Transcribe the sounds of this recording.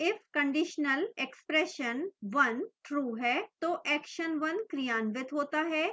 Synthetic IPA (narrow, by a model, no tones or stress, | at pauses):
ɪfkə̃ɳɖiʃnəlekspɾeʃənʋɐnʈɾuːɦɛt̪oʔɛkʃənʋɐnkɾijaːnʋɪt̪ɦoːt̪aɦɛ